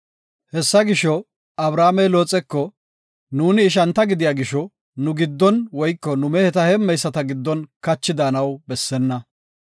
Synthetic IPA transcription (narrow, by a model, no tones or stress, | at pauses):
hɛsːɐɡɪʃɔ | ɐbɾaːmɛjlo̞ːt͡sʼɛkːɔ | nuːnɪːʃ̬ɐnt̪ɐɡɪd̪ɪjaːɡɪʃɔ | nʊɡɪd̪ːɔnwɔjkːɔnʊmɛhɛt̪ɐhɛmːɛjsːɐt̪ɐɡɪd̪ːɔnkɐt͡ʃːɪd̪aːnɐwbɛsːɛnːɐ